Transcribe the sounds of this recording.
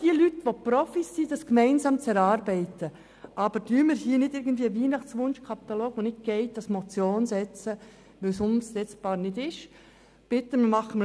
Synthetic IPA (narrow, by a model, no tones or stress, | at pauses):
d̥iəlytʋopɾɔfisːid̥ɑskmɛɪnsɑːmt͡sɛɾɑːɾbɛɪtə | ʔɑb̥əɾdyːmɪɾhiːnɪdɪɾɡən̩dviːəʋiːnɑχt͡sʋʊnʃkʰɑpit̪aloːɡʋonɪt̚ɡ̥ɛɪt̚d̥ɑsmot͡sjoːnsɛt͡sə | ʋɵwsʊnstɛt͡sb̥ɑːɾnɪdɪʃ | b̥ɪtːəmmɑχəmə